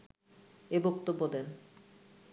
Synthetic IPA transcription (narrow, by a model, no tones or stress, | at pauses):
ebokt̪obːod̪en